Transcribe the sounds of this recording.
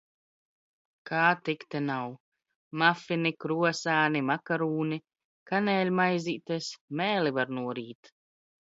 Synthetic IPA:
kʰaːt̪ikt̪ɛnaw | mafinikɾuɔsaːnimakaɾuːni | kanɛːlʲmajziːt̪esmɛːlivaɾnuɔɾiːt̪

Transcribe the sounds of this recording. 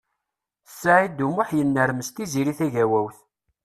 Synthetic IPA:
sːaʕid̪umʊħjənːəɾməst̪iziɾiθæʝæwæwθ

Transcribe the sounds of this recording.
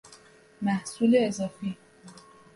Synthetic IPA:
mæhsuːleːzɒːfiː

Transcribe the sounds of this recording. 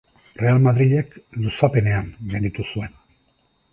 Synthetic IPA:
re̞almaðɾiʎekd̪usape̞ne̞anmeɾit̪usuen

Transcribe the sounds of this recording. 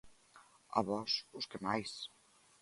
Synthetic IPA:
a̰βɔsuskemajs

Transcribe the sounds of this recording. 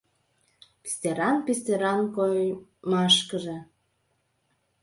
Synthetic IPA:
pi̥st̪eɾɑnpist̪eɾɑnkojmɑʃkəʒe

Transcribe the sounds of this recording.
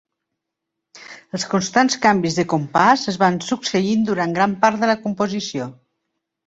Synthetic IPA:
əlˠskunst̪anskambizðəkumpasəzβansuksəind̪uɾaŋɡɾampaɾt̪̚ðələkumpuzisio

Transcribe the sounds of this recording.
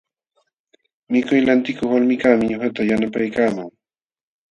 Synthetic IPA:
mɪkʊjlant̪ɪkoχwalmɪkamɪɲohat̪ajanapajkaːmaŋ

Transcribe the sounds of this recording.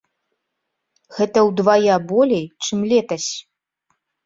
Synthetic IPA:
ɣɛt̪ɐwd̪vajabɔlʲejt͡ʂɨmlʲɛt̪ɐsʲ

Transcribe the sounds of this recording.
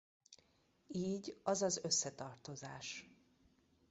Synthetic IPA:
iːɟɒzɒzø̞sːɛt̪ɒrt̪o̞zaːʃ

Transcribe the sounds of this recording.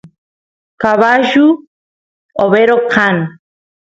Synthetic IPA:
kaβaʒu | oβeɾoqʰan

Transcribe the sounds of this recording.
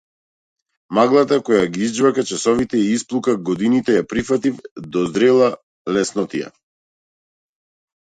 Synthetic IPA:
maɡlˠat̪akɔjaɡiizd͡ʒvakat͡ʃasɔvit̪ɛiisplˠukaɡɔd̪init̪ɛjapɾifat̪ifd̪ɔzd̪ɾɛlˠa | lɛsnɔt̪ija̰

